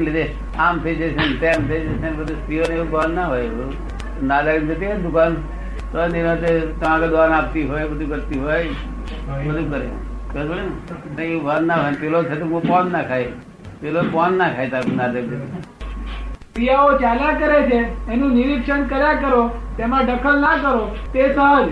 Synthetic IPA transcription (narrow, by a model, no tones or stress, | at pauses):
lid̪e | amt̪ʰeit͡ʃʰesʰent̪emt̪ʰəit͡ʃesenbəd̪ust̪ioneeubʋanːaɦoj | nad̪aimd͡ʒ̪ʱət̪ied̪ʊkan | t̪oninot̪et̪əmãked̪anap̚t̪iɦojbəd̪ʱukəɾt̪iɦoj | bəd̪ʱukəɾḛkəbəɽineeubanːaɦojnpelot̪ʰət̪̬ũmõpɔnːakʰaj | pelopɔnːakʰajt̪aknad̪aimd͡ʒət̪i | pɾijaot͡ʃalakəɾet͡ʃʰeːnũnɪɾikʃəɳkəɾjãkəɾot̪emãɖəkʰəlnakəɾo | t̪esəɦəd͡ʒ